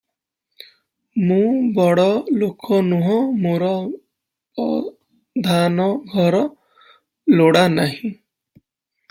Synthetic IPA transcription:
mũbɔɽɔlokʰɔnuɦɔ̃moɾɔ | d̪ʱanɔɡʱɔɾɔ | loɽanaɦĩ

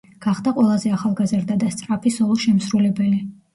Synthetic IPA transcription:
ɡ̥aχd̪aqʼwɛlˠazɛaχalˠɡazɾd̪ad̪ast̪sʼɾapʰisɔlˠɔʃɛmsɾulɛbɛli

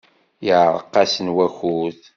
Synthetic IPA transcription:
jəʕɾˤə̰qːɑsənwæçuθ

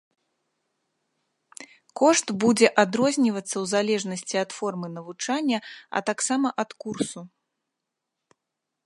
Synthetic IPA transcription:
kɔʂt̪bud͡zʲɛʔad̪ɾɔzʲnʲivɐt̪sːɐwzalʲɛʐnɐsʲt͡sʲiɐt̪fɔrmɨnɐvut͡ʂanʲːɐɐ̰t̪aksamɐʔɐt̪kursu

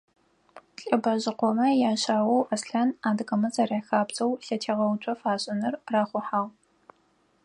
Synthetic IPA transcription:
ɬʼɐbɐʑɪqʷɔmɐjaːɕaːwɐwʔɐsɬɐnaːdɨqɐmɐzʼɐraːxaːbt͡sʼɐwɬɐtʰeːʁɐwt͡ʃʷʰʼɐfaːɕʼɐnɨrraːχʷʊħaːʁ

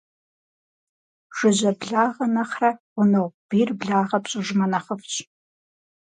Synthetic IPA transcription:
ʒ̥ɨʑɐbɮaːʁɐnɐχrɐʁʷʊnowb̥iːrbɮaːʁɐpɕʼʊʒmɐnɐχəfɕʼ

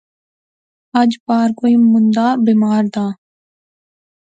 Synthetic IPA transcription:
əd͡ʒpaːɾkoːiːmʊnd̪aːbiːmaːɾd̪aː

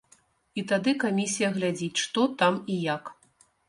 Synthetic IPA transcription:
it̪ad̪ɨkamʲisʲijɐɣlʲad͡zʲit͡sʲʂt̪ɔt̪amijak

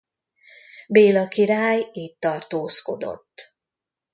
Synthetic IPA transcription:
beːlɒkiɾaːjiːt̪ːɒrt̪oːsko̞d̪o̞̰t̪ː

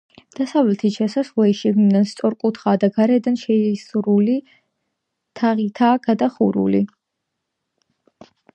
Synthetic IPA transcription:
d̪̥asavlɛt̪ʰiʃɛsaslɛiʃiɡninanst̪sʼɔɾkʼut̪ʰχaːd̪aɡaɾɛd̪anʃɛisuɾuli | t̪ʰaʁit̪ʰaːɡ̥ad̪aχuɾṵlḭ

